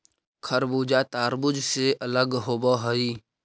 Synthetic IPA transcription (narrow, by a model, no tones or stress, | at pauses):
kʰəɾbuːd͡ʒat̪aːɾbʊd͡ʒseʔɐləɡɦoːboɦəiː